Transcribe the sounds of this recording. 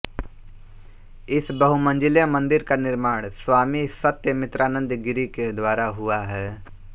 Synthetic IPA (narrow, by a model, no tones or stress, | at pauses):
ɪsbəɦumə̃nd͡ʒɪljamə̃nd̪ɪɾkanɪɾmaːɽ̃swaːmisət̪jəmɪt̪ɾaːnə̃nd̪ɡɪɾiked̪waːɾaɦʊaɦɛː